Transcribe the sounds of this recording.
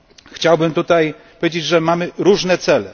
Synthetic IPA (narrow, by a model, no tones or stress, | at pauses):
xt͡ɕawbɘmt̪ut̪ajpɔvʲed͡ʑed͡ʑʐɛmamɘɾuʐnɛt̪sɛlɛ